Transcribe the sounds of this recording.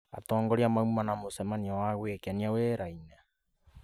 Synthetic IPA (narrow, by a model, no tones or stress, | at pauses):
a̰tɔːŋɡɔɾiamaumanamosɛmaniawaɣwekeaniaweːɾaina